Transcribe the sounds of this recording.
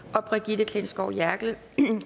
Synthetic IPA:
ʔɒ̽b̥ʁɛɡ̥id̥əkʰle̝nsɡ̥ɒʊ̰jæɐɡ̥lə | kʰ

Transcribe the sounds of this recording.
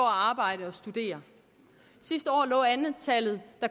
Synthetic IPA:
ɒæɑ̈ːb̥ɑ̈ɪ̰ɾəɒ̽sd̥ud̥e̝̰ːɐ | sisd̥əɒ̰ːlɔ̰̽ːænð̩ˠt͡sʰælð̩ˠd̥ɑ̈

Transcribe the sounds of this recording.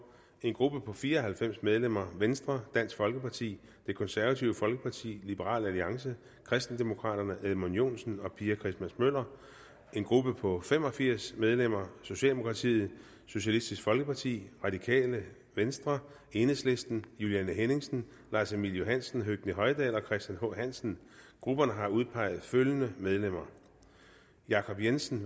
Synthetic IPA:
e̝nɡ̥ʁub̥əpʰɒ̽fiːɐɒhælfem̰smeð̞ˠlem̰ɐʋensd̥ʁɐd̥æn̰sɡ̥fɒ̽lɡ̥əpʰɑ̈t͡sʰḭː | d̥e̝kʰɒ̽nsæɐʋæt͡sʰiʊəfɒ̽lɡ̥əpʰɑ̈t͡sʰḭːlib̥əʁɑ̰̈ːlæliɑ̈ŋs̬ə | kʰʁɛsd̥n̩d̥emo̝kʰʁɑ̰̈ːɾ̥ɐnəʔeðˠmonjo̝̰ːnsn̩ɒ̽pʰiːækʰʁisd̥mæsmøl̰ɐ | e̝nɡ̥ʁub̥əpʰɒ̽fem̰ɒ̽fiɐ̰smeð̞ˠlem̰ɐso̝ɕɛ̰ːld̥emo̝kʰʁɑ̈t͡sʰḭːð̩ˠ | so̝ɕælisd̥isɡ̥fɒ̽lɡ̥əpʰɑ̈t͡sʰḭːʁɑ̈d̥ikʰɛ̰ːlə | ʋensd̥ʁɐ | e̝ːnesle̝sd̥n̩juliænəɦene̝ŋsn̩ | lɑ̈ːsemiljo̝ɦænsn̩ɦøɡ̥nəɦɒ̽ɪd̥ɛ̰ːlɒ̽kʰʁɛsd̥jænho̰ɦæn̰sn̩ɡ̥ʁub̥ɐnəɦɑ̈uðˠpʰɑ̈ɪ̰ð̞̩ˠføljənəmeð̞ˠlem̰ɐ | jɑ̈ːkʰɒ̽b̥jensn̩

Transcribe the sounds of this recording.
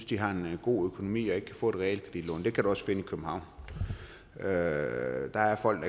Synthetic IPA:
sd̥iɦɑ̈e̝nɡ̥o̝̰ːøkʰo̝no̝mḭːɒ̽e̝ɡ̥kʰæfɔ̰̽ːd̥e̝̥ʁɛḛlkʰʁɛdḭdlɔ̰ːnd̥e̝kʰæɾ̥uɒ̽sfe̝nəikʰøb̥m̩hɑ̈ʊ̰n | ø | d̥ɑ̈æɐfɒ̽l̰ɡ̥d̥ɑ

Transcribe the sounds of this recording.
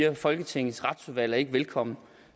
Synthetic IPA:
ɐfɒ̽lɡ̥ət͡sʰeŋ̰ð̩ˠsʁɑ̈d̥suðˠʋæl̰ɒe̝ɡ̥əʋelkʰɒ̽m̰n̩

